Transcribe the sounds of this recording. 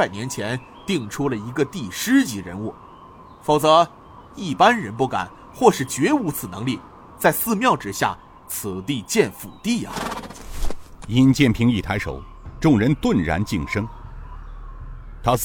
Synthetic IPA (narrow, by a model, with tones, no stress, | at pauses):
a˨˩ɪnjɛ˧˥nt͡ɕʰjɛ˧˥n | t̪i˥˩ŋʈ͡ʂʰu˥lə˨i˧˥ɡə˧t̪i˥˩ʂɻ̩˥t͡ɕi˧˥ɻə̰˧˥nu˥˩ | fo˨˩ʊt͡sɤ˧˥ | i˥˩pa˥nɻə˧˥npu˥˩ka̰˨˩˦n | xwɔ˥˧ʂɻ̩˥˩t͡ɕɥɛ˧˥u˧˥t͡sʰɹ̩˨˩nɤ˧˥ŋli˥˩ | t͡sa˥˧ɪsɹ̩˥˧mjɑ˥˩ʊʈ͡ʂɻ̩˥˩ɕja̰˥˩ | t͡s̩ʰ˨˩t̪i˥˧t͡ɕjɛ˥˩nfṵ˨˩t̪i˥˩ɐ̰˨˩ | i˥nt͡ɕjɛ˥˩npʰi˧˥ŋi˥˩t̪ʰa˧˥ɪʂo̰˨˩˦ʊ | ʈ͡ʂʊ˥˩ŋɻə˧˥nt̪wə˥˩nɻa̰˧˥nt͡ɕi˥˩ŋʂɤ˥ŋ | t̪ʰa˥